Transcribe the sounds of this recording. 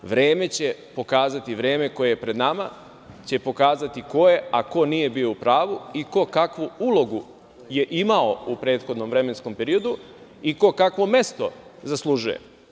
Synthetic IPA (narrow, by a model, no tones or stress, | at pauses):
ʋɾe̞ːme̞t͡ɕe̞po̞kaːzat̪iʋɾe̞ːme̞ko̞jejepɾe̞d̪nama̰ | t͡ɕe̞po̞kaːzat̪iko̞jeako̞nije̞bio̞upɾaːʋuiko̞kakʋuulˠo̞ɡu | je̞ʔimao̞upɾe̞ːt̪xod̪no̞mʋɾe̞me̞nsko̞mpe̞ɾio̞d̪u | iko̞kakʋo̞me̞st̪o̞zaslˠuʒujḛ